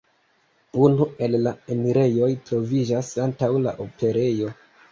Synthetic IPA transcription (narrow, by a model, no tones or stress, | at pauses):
unue̞lːae̞miɾe̞jo̞jtɾo̞vid͡ʒasantawla̰ʔopʰe̞ɾe̞jo̞